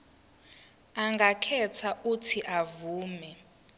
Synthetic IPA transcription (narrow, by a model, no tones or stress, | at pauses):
aŋɡʱakʰɛtʰaʔutʰiʔavuːmɛ